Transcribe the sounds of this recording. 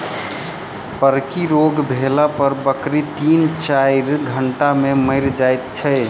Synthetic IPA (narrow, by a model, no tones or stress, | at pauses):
pəɾkiɾoɡbʱelapəɾbəkɾit̪int͡ʃajɾɡʱəɳʈameməɪɾd͡ʒajt̪̚t͡ʃʰə